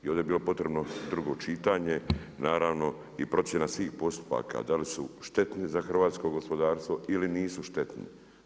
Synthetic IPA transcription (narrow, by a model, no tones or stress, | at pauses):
io̞ːd̪ebiːlo̞po̞t̪ɾe̞bnod̪ɾuɡo̞t͡ʃit̪aːɲe̞naːɾaːʋno̞ | ipɾo̞tsje̞nasʋiːxpo̞st̪u̥pa̰ka̰d̪alisuʃt̪e̞t̪nizaxr̩ʋaːt̪sko̞ɡo̞spo̞d̪aːɾst̪ʋo̞iliniːsuʃt̪e̞t̪nḭ